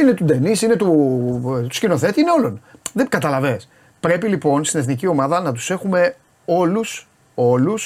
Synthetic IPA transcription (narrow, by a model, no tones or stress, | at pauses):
ine̞t̪ud̪e̞nisinet̪u | t̪u̥scino̞θe̞t̪iineo̞lo̞nðekɐt̪ɐlɐve̞s | pɾe̞pilipo̞nst̪ine̞θnicio̞mɐðɐnɐt̪̬u̥se̞xume̞ | o̞lus | o̞lus